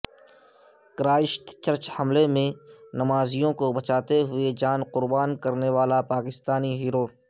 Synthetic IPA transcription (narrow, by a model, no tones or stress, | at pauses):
kɾaːɪʃt̪t͡ʃəɾt͡ʃhɐmlemẽnɐmaːzijõkobɐt͡ʃaːt̪eɦʊed͡ʒaːnqʊɾbaːnkəɾneʋaːlapaːkɪst̪aːniɦiːɾoː